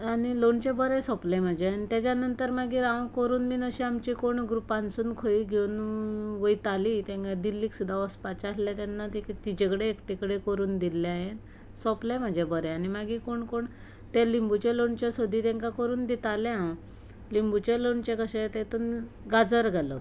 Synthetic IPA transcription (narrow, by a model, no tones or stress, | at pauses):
aniloɳt͡ɕebəɾɛ̃sɔplem̤əd͡ʑeanit̪jat͡ɕjanənt̪əɾmaɡiːɾãʋkoɾuːnmiːnəɕiamt͡ɕikoɳɡɾupãnsuːnkʰoiɡʱewnʋəjt̪alit̪ẽŋkad̪ilːiːksud̪ʱːaəspat͡ɕasljat̪janːat̪ikt̪id͡ʑekɽeːkʈikəɽekəɾuːnd̪ilːeaɦe | sɔplɛm̤əd͡ʑʱebəɾɛanimaɡiːkoɳkoɳ | t̪ẽlimbut͡ɕeloɳt͡ɕjasod̪ʱit̪ɛ̃ŋkakəɾuːnd̪it̪aljaa | limbut͡ɕẽloɳt͡ɕekəɕẽt̪et̪un | ɡad͡zəɾɡʱalo